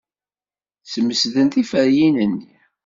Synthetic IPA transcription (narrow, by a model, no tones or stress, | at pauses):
səmːəsðənt̪ifəɾjinənːi